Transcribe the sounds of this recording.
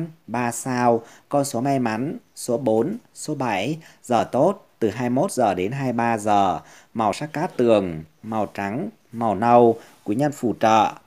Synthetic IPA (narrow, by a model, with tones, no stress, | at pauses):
ɓaː˧saː˧wkɔ˧nso˨˦ma˧jma˨˦nso˨˦ɓo˨˦nso˨˦ɓa˧˩jzəː˨˩t̪o˦˥t̚t̪ɨ˨˩ɦaː˧jmo˦˥t̚zəː˨˩ɗe˨˦nɦaː˧jɓaː˧zəː˨˩ | ma˨˩wsaː˦˥k̚kaː˦˥t̪ɨ˨˩əŋma˨˩wt͡ɕa˨˦ŋ | ma˨˩wnə˧w | kwi˨˦ɲə˧nfṵ˧˩t͡ɕə̰ː˧˨